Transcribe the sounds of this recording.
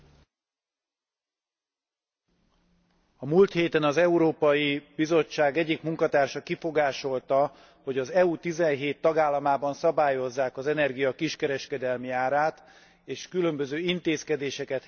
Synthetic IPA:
ɒmuːlt̪heːt̪ɛnɒzɛuɾoːpɒjibizo̞t͡ʃːaːɡɛɟːikmuŋkɒt̪aːrʃɒkifo̞ɡaːʃo̞lt̪ɒ | ho̞ɟɒzɛut̪izɛnɦeːt̪ːɒɡaːlːɒmaːbɒnsɒbaːjo̞zːaːkɒzɛnɛrɡijɒkiʃkɛɾɛʃkɛd̪ɛlmiaːɾaːt̪ | eːʃkylømbøzøːint̪eːskɛd̪eːʃɛkɛt̪

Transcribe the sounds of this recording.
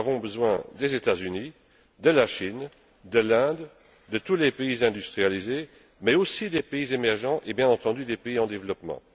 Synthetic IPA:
avɔ̃bəzwɛ̰̃d̪ezet̪azyni | d̪əlaʃin | d̪əlɛ̃d̪ | d̪ət̪ulepeizɛ̃d̪yst̪χijalize | mɛosid̪epeizemɛʁʒɑ̃ʔebjɛ̃nɑ̃t̪ɑ̃d̪yd̪epeiɑ̃d̪evlɔpmɑ̰̃

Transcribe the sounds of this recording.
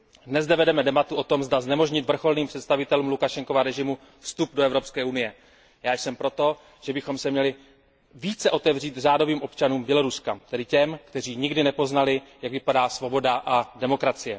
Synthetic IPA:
dnɛzdɛvɛdɛmɛdɛbat̪uʔo̞t̪o̞mzdaznɛmo̞ʒɲɪt̪vr̩xo̞lniːmpr̝̥ɛt̪st̪avɪt̪ɛluːmlukaʃɛŋko̞vaɾɛʒɪmu | fst̪updoɛvɾo̞pskɛːunɪjɛ | jaːjsɛmpɾo̞t̪o̞ | ʒ̥ɛbɪxo̞msɛmɲɛlɪ | viːt͡sɛʔo̞t̪ɛvriːt̪raːdo̞viːmʔo̞pt͡ʃanuːmbjɛlo̞ɾuskat̪ɛdɪcɛmkt̪ɛr̝iːɲɪɡdɪnɛpo̞znalɪjaɡvɪpadaːsvo̞bo̞daʔadɛmo̞kɾat͡sɪjɛ

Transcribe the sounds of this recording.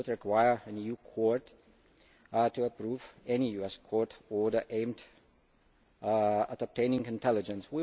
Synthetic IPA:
tɹɨkʰwaɪə˞ə̃njukʰɔɹt | tuəpʰɹuvɛnijuɛskʰɔɹtɔdəʔẽɪ̃md | ətəp̚tʰẽɪ̃nɪ̃ŋɪ̃ntʰɛlɪd͡ʒə̃nswi

